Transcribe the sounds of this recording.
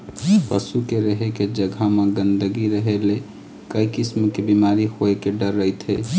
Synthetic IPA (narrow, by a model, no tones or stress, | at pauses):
pəsukeɾəɦeked͡ʒəɡʱamaɡənd̪əɡiɾəɦele | kəikismkebimaɾihoekeɖəɾːəjt̪ɦe